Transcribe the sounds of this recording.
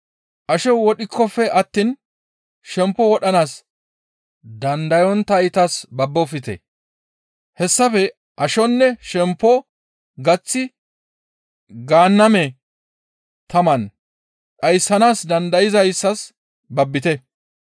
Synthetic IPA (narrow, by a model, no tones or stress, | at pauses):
ʔɐʃɔwɔɗɪkʰːɔfɛʔɐt̪ːiːn | ʃɛmpːɔwɔɗɐnaːs | d̪ɐnd̪ɐjɔnt̪ɐjɪt̪ɐsbɐbːɔfɪt̪ɛ̰ | hɛsːɐfɛ | ʔɐʃɔnːɛʃɛmpːɔ | ɡɐt͡sːɪ | ɡaːnːɐmɛ | t̪ɐmɐn | ɗɐjsːɐnaːsd̪ɐnd̪ɐjɪzɐjɪsːɐs | bɐbːɪt̪ɛ